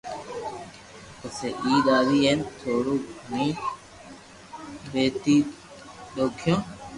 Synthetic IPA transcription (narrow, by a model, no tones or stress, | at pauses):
kəseʔiːɗ̪aːʋiːeːnt̪ʰoːɽuːnĩː | beːt̪iː | ɗoːkʰjõː